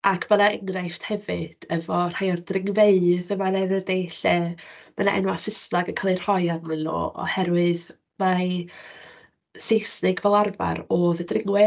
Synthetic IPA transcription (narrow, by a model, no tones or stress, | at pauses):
akʰm̥ənaəŋrajfthɛvɨd̥ɛvɔr̥hajɔrdrɪŋveɨðəmanɛnəðeɬɛm̥əna̰ʔɛ̰nwasɪsnaɡəkʰəlˠɨr̥hɔjarmɪnlo̰ːɔ̰hɛɾwɪð | ma | sejsnɪɡvɛlˠarva̰ɾoːðədrɪŋwɛ